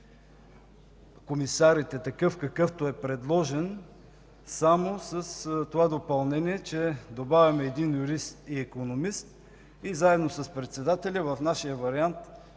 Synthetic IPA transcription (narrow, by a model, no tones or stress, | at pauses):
komisaɾit̪ɛt̪ɐkɤfkɐkɤft̪oɛpɾɛd̪lˠɔʒɛn | samosəst̪ovad̪opɐlˠnɛniɛt͡ʃɛd̪obavʲɐmɛːd̪injuɾist̪iɛkonomist̪ | izaɛd̪nosəspɾɛt̪sɛd̪at̪ɛlʲəvɐfnaʃijəvɐɾiant̪